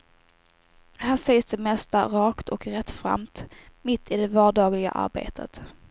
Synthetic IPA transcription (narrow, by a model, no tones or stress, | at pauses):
hansɛjsd̪ɛmɛst̪aɾɑːkt̪ɔkɾɛt̪ːfɾa̰mt̪mɪt̪ʰːɪd̪ɛvɑːɖɑːɡlɪɡa̰ʔa̰ɾbḛːt̪ʰə̰t̪